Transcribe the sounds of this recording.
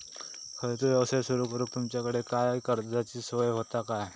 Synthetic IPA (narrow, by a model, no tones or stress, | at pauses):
kʰəɾt̪uəsesuɾukəɾuːk̚t̪umt͡ɕjakəɽekajkəɾd͡zat͡ɕiːsʋəjɦot̪akaj